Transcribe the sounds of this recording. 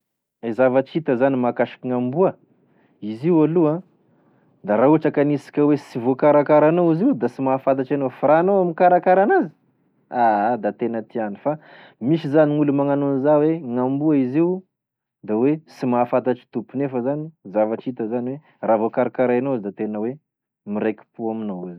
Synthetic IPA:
ezavaʈ͡ʂit̪əzanimakaʃi̥kiŋambuə | iziwaluã | d̪aɾauaʈ͡ʂakanisi̥kʲəwesivokaɾakaɾanoiziwd̪asimafat̪̬aʈ͡ʂanofiɾanoamikaɾakaɾanazi̥ | ad̪at̪enət̪ianifa | misizaniŋulumaŋanunizaweŋambuaiziu | d̪awesimaːfat̪̬aʈ͡ʂi̥t̪upunefəzanizavaʈ͡ʂit̪əzaniwe | ravokaɾakaɾaenoizd̪at̪enəwe | miɾekʲi̥puaminowazi

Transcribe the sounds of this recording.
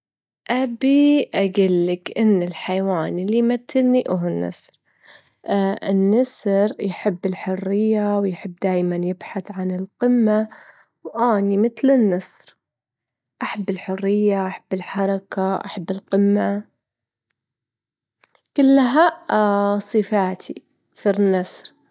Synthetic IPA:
ʔabiʔaɡɪlːɪkʔɪnːɪlħajwaːnilːijmat̪ʰːɪlniʔʊɦʊnːɑ̰sɾ | ɪnːɑsɾjħɪbːɪlħʊrːɪjːawjħɪbːd̪aːjmanjɪbħaθʕanɪlqɪmːa | wʔaːnimɪt̪lɪnːɑsɾ | ʔaħabːɪlħʊrːɪjːaʔaħabːɪlħɑɾˤɑkaʔa̰ħabːɪlqɪmːa | kʊlːɦa | sˤɨfaːt̪ʰi | finːɑsˤɾ

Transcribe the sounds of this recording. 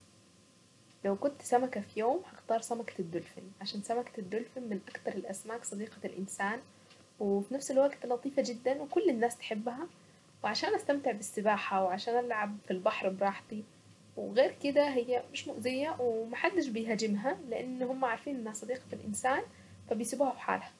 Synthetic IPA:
lawkʊnt̪sæmækæfijoːmhɑxt̪ɑːɾˤsæmakɑ̥d̪ːʊlfɪnʕaʃaːnsæmækd̪ːʊlfɪnmɪnʔakt̪ɑɾˤelʔæsmaːksˤɑd̪iːqɑlʔɪnsaːn | wefinæfselwaɡt̪lɑt̪ˤiːfɑd͡ʒɪd̪ːænwekʊlːɪnːaːst̪ħebːɦæ | weʕaʃaːnʔæst̪æmt̪ɪʕbɪsːɪbaːħawʕaʃaːnʔalʕabfilbɑħɾˤbɾˤɑːħt̪i | wɣeːɾkɪd̪æɦɪjːæmɪʃmʊʔzɪjːæwemaħad̪ːɪʃbɪjɦæd͡ʒɪmɦæleʔanːhʊmːæʕaɾˤfiːnʔenːhæsˤɑd̪iːqɑ̥lʔɪ̰nsaːn | fæbejsibuːhæfħa̰ːlhæ

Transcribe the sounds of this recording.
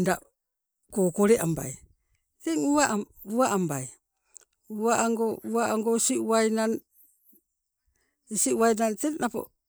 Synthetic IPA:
nda | kokoɾeʔamba̰j | teŋuaʔ | uaʔambaj | uaŋɡouaaŋɡosiuajnan | isiuwajnantennapo̰

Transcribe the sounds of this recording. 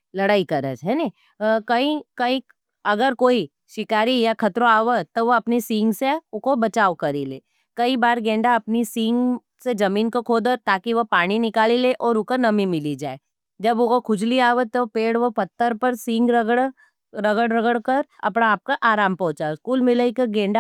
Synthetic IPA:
lɐɽaːikɐɾə̰d͡ʒɦɛne | kɐĩkɐĩ | ɐɡəɾkoːi | ʃɪkaːɾijakʰɐt̪ɾõaːʋət̪oʋoɐpnisɪ̃ŋɡseʊkobɐt͡ʃaːʋkɐɾilḛː | kɐibaːɾɡɛ̃ːɳɖaɐpnisɪ̃ːŋɡ | sed͡ʒɐmiːnkokʰoːd̪ət̪aːkiʋɐpaːɽ̃inɪkaːlileʔɔːɾʊkonɐmĩmɪlid͡ʒaːe | d͡ʒɐbokokʰʊd͡ʒliaːʋət̪opeːɽʋopɐt̪ːəɾpɐɾsɪ̃ŋɡɾɐɡəɽ | ɾɐɡəɽɾɐɡəɽkɐɾɐ̰pnaːp̚kaʔaːɾaːmpɔ̃ɦʊ̃t͡ʃaoskuːlmɪləikeɡẽːɳɖa

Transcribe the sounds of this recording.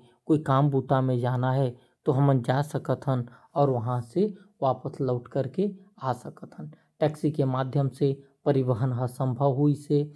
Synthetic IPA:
koːikaːmbuːt̪amẽd͡ʒaːnaɦɛ | t̪oɦəmənd͡ʒaːsəkət̪ɦənɔːɾʋəɦãseʋaːpəsləʊʈkəɾke | asəkət̪ɦən | ʈɛːksikemaːd̪ʱjəmsepəɾɪbəɦənɦəsə̃mbʱəʋɦuise

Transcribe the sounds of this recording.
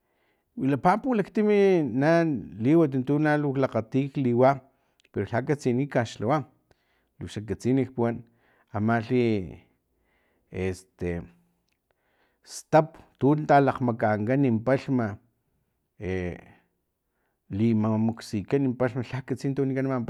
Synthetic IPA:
wilapapulakt̪iminaliwat̪̬int̪unaluklaqat̪iːkliwa | peɾoɬakat͡sinikaʃlawa | lukʃakat͡sinikpuwan | amaɬi | est̪e | st̪apt̪unt̪alaqmakaŋkanimpaɬma | e | limamuksikanimpaɬmaɬakat͡sint̪awnikanmamp

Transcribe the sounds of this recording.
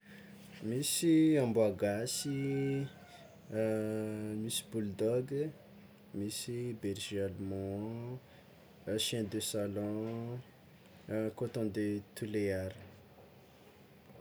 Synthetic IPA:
misiãmbuaɡasi | misi̥buld̪ɔɡ | misibɛɾʒialmɔ̃ | ʃɛ̃d̪øsalɔ̃ | kot̪ɔ̃nd̪et̪uleaɾi̥

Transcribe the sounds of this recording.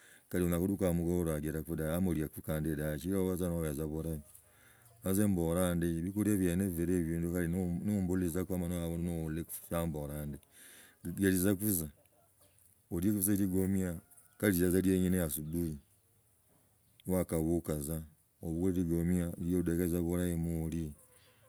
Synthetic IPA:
kaɾionakuɾukamuɡouɾaɡiɾakudaamoɾjakukaːndedat͡ʃiɾeβazanoβazaβoɾaj | mazemboɾaːndeβikuɾeβjeneveɾeβiːndukalinnombulizakuamanoaonoleksamboɾaːnde | ɡeɾizakuza | oɾjekuuzaiɾiɡomia | kaɾizazaɾjeːɲinejasudui | nwakaβukaza | oβukuɾɾiɡomiaɾjodekezaβuɾaemuli

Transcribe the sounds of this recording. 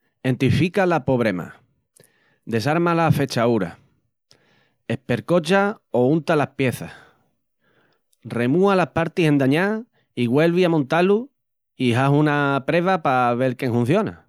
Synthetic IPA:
e̞nt̪ifikalapo̞βɾe̞ma̰ | d̪e̞saɾmalafe̞t͡ʃauɾa̰ | e̞hpe̞ɾko̞t͡ʃao̞unt̪alahpje̞θah | re̞mũalahpaɾt̪ihe̞nd̪aɲa | iɣwe̞lβiamõnt̪alu | iɦaɦunapɾe̞βapaβ̞e̞lkjeŋhũn̟θjo̞na̰

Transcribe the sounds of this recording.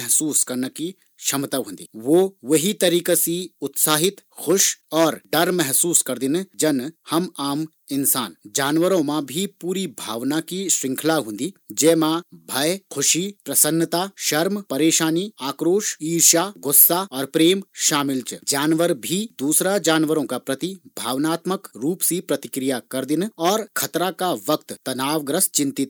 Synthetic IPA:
ɛɦsuːskɐɾnəki | ʃɐmt̪aɦõːnd̪ḭːʋoːʋɐɦit̪ɐɾiːkasiʊt̪saːɦɪt̪kʰʊʃɔːɾɖɐɾmɛɦsuːskɐɾd̪ɪnd͡ʒɐnhɐmaːm | ɪnsaːnd͡ʒaːnʋəɾõmãbʱipuːɾibʱaːʋnakiʃɾɪ̃ŋkʰlaɦʊ̃nd̪iːd͡ʒɛːmãbʱɐjkʰʊʃipɾɐsənːət̪aːʃɐɾmpɐɾeːʃaːniaːkɾoːʃiːʃaːɡʊsːaɔːɾpɾeːmʃaːmɪlt͡ʃd͡ʒaːnʋəɾbʱid̪uːsɾad͡ʒaːnʋəɾõkapɾɐt̪ibʱaːʋnaːt̪məkɾuːpsipɾɐt̪ɪkɾijakɐɾd̪ɪnɔːɾkʰɐt̪ɾakaʋɐkt̪t̪ɐnaːʋɡɾəst͡ʃɪ̃nt̪ɪt̪

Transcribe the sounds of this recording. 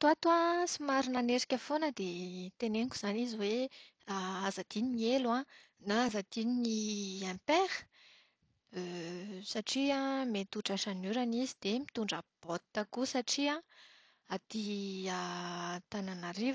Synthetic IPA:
t̪uat̪uãsimaɾinaneɾi̥kʲəfonəd̪et̪eneŋkʲu̥z̥aniziwe | aazad̪̥iniieluã | naazad̪̥ininiãmpeɾə̥ | øsaʈ͡ʂiãmet̪uʈ͡ʂaʃanyɾanizid̪emit̪uɳɖ͡ʐab̥ot̪t̪akusaʈ͡ʂiã | at̪iat̪ananaɾiv

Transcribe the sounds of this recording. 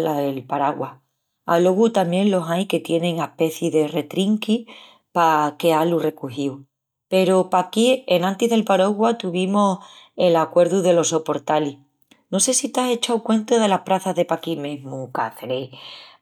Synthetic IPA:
laelpaɾaɣwa | a̰lo̞ɣut̪amje̞nlo̞ɦajke̞t̪je̞ne̞ŋahpe̞θiðe̞re̞t̪ɾiŋki | pake̞alure̞kuɦiw | pe̞ɾopakie̞nãnt̪iɦðe̞lpaɾoɣwat̪uβimose̞lakwe̞ɾðuðe̞lo̞so̞po̞ɾt̪ali | no̞se̞sit̪ase̞t͡ʃawkwẽ̞nt̪oðe̞lahpɾaθaɦðe̞pakimeɦmuka̰θɾe

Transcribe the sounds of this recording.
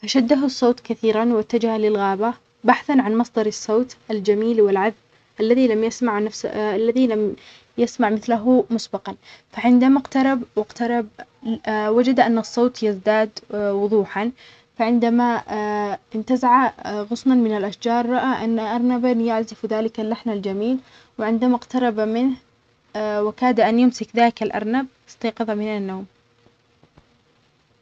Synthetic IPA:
faʃad̪ːaɦʊsˤːoːt̪kaθiːɾanwat̪ːad͡ʒahalɪlɣaːba | baħθanʕanmɑsˤd̪ˤɑɾˤɑsˤːoːt̪ʔald͡ʒamiːlwɪlʕaðb | ʔalːaðilamjasmaʕnafsalːaðilam | jasmaʕmɪθlaɦʊmʊsbɑqɑnfaʕɪnd̪amaqt̪ɑɾˤɑbwɪqt̪ɑɾˤɑb̚ | wad͡ʒad̪ʔanːɑsˤːoːt̪jɪzd̪aːd̪wʊðˤuːħan | faʕɪnd̪ama | ʔɪnt̪azaʕaɣʊsmanmɪnalʔaʃd͡ʒɑːɾˤːɑʔaʔanːaʔɑɾˤnabanjaʕzɪfðaːlɪkalːaħnald͡ʒamiːl | wɪʕɪnd̪amaqt̪ɑɾˤɑbamɪnh | wɪkaːd̪aʔanjʊmsɪkðaːɪkalʔɑ̰ɾˤnab̚ | ɪ̥sˤt̪ɑːqɨðˤɑmɪnanːoːm

